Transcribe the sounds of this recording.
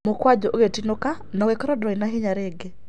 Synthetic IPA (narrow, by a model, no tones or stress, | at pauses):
mokwad͡ʒɔʔoɣetinoka | nɔɣekɔɾɔdɾɔinaɦɪɲaɾeɡe